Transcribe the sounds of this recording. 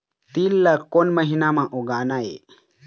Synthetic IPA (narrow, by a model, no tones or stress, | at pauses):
t̪ilːakːonməɦinamãʔoɡaːnaḛ